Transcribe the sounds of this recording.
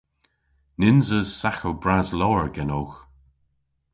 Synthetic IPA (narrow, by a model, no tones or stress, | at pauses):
nɪnzəzsaxowbɹazlɔːɹɡɛnoːx